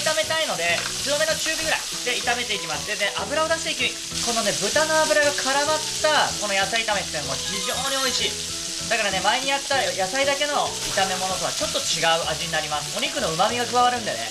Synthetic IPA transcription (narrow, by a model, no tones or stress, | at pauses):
t̪ame̞t̪aino̞d̪e̞t͡sɨome̞no̞t͡ɕɨːbʲiɡɯ̟ɾa̰i | d̪̥e̞it̪ame̞t̪e̞ikʲimasɨd̪e̞ne̞ʔabɯ̟ɾao̞d̪aɕi̥t̪e̞ikʲii | ko̞no̞ne̞bɯ̟t̪ano̞abɯ̟ɾaɡakʰaɾamat̪ːako̞no̞jasait̪ame̞t̪ːenoɡoçiʑoːɲ̟io̞iɕiː | d̪akaɾane̞maeɲ̟ijat̪ːajasaid̪ake̞no̞ | it̪ame̞mo̞no̞t̪o̞kat͡ɕo̞t̪ːo̞t͡ɕiɡaɯ̟ʔaʑiɲ̟inaɾʲimasɨ̥o̞ɲʲikɯ̟no̞ɯ̟mamʲiɡakɯ̟βaβaɾɯ̟̃nd̪ene̞̰